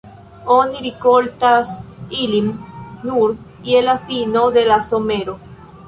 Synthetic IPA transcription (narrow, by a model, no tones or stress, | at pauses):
oniɾikolt̪asilimnuɾ | ielafinoðelasomeɾo